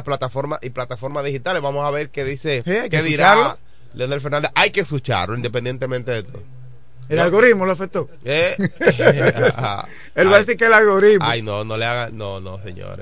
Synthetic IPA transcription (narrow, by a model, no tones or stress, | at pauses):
plat̪afoɾmaiplat̪afoɾmaðihit̪aleβamosaβe̞ɾkeðisekeðiɾalo | leonalfeɾnand̪ajkeskut͡ʃa̰ɾloind̪epend̪ent̪emẽnt̪eðet̪o̰ | elalɣo̞ɾimoloafek̚t̪o | e | a̰ | elβaðesiɾkelalɣoɾiamojnõnoleaɣanõnõsḛɲõ̰ɾes